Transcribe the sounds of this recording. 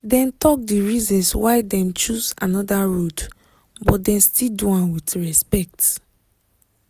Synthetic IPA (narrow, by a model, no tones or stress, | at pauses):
dɛ̃ntɔk̚diɹizɔ̃nswaɪdɛ̃mt͡ʃuza̰nɔdaɹod | bɔt̚dɛ̃nstilduãnwitɹɛspɛk̚t